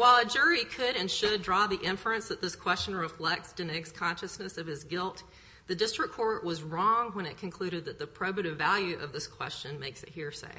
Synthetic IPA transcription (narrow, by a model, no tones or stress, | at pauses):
waɪlˠəd͡ʒʊɹikʰɨɾɨ̃nʃɨdɹɔðiʔɪ̃ɱfəɨ̃nsðɨt̪̚ðɪskʰw̥ɛst͡ʃɨ̃nɹɨflɛk̚tsd̥ɨ̃nɪkskʰɑ̃nʃɨsnɨsʌv̥ɨzɡɪlˠt̪̚ | ðɨdɪstɹ̥ɨkʰɔɹʔwʌzɹɔ̃ŋwə̃ñɨt̚kʰɨ̃n̩kʰl̥ʉɾɨd̪̚ðɨt̪̚ðɨpʰɹ̥oʊbɨɾɨvælˠjʉʔʌvðɪskʰw̥ɛ̰st͡ʃɨ̃nmeɪksɨ̰t̚hiɹsḛɪ